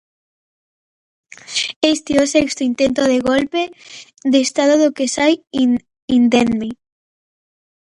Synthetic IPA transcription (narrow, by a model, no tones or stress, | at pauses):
est̪iosekst̪oint̪ent̪oðeɣ̞olpe | ðest̪aðoðokesajin | ind̪enmi